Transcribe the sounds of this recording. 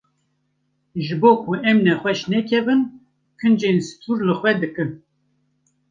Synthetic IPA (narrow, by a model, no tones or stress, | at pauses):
ʒɨboːkʰuɛmnɛxʷɛʃnɛkʰɛvɨn | kʰɨnd͡ʒensɨ̥t̪ʰuɾlɨxʷwɛd̪ɨkɨn